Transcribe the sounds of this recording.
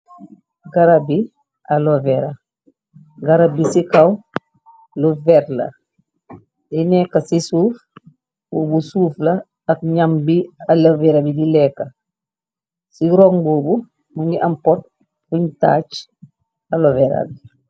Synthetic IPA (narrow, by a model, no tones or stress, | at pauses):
ɡaɾabi | ʔalovɛɾa | ɡaɾabisikaw | luvɛɾlɐ̰ | dinɛkːɐsisuːf | boːbusuːflɐː | kɲambialɐvɛɾabidilɛːkːa | siɾɔŋboːbu | mundiʔampɔt̚ | uɲta̰ːt͡ʃ | alovɛɾa̰l